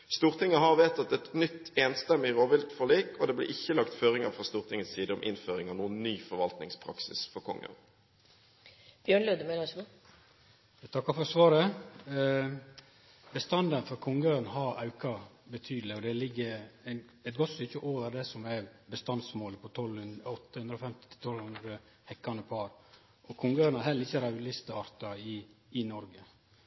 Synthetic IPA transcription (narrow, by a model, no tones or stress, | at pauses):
st̪uːʁt̪ʰɪŋːəɦɑʁʋeːt̪ɑt̪ɛt̪nʏt̪ːeːnst̪ɛmɪʁoːʋɪlt̪fɔliːkʰɔd̪ɛblɪ̰ːʔɪçːəlɑkt̪føːʁɪŋɑ̰fʁɑst̪uːʁt̪ʰɪŋəssiːd̪əɔmʔɪ̰nføːɾɪŋɑnuːənːyːfɔʁʋɑlt̪nɪŋspʰʁɑ̰ksɪ̰sfɔʁkʰɔ̰ŋːə̰n | b̥jøːɳløːd̪əmɛlɑsɡo | t̪ʰɑkːɑfɔsʋɑːɾə | bəst̪ɑnd̪ənfɔɾkʰʊŋɡənɦɑɾɑ̰ʉkɑbət̪ʰyːd̪l̩ɪɔd̪ɛlɪɡːən | ɛt̪̚ɡɔt̪sʏkəʔoːʋəɾd̪ɛsɔmæbəst̪ɑnd̪smoːləpʰɔt̪ʰɔlɔt̪ːəʉnd̪ɾɔfɛmt̪ɪ̥t̪ʰɪ̥t̪ʰɔlhʉnd̪ɾə | hɛkːɑnd̪əpʰɑɾ | ʔɔkʰʊŋɡøːɾnæɾhɛləɾɪçəɾɑʉlɪst̪əɑɾt̪ɑɪ | ɪnɔɾɡə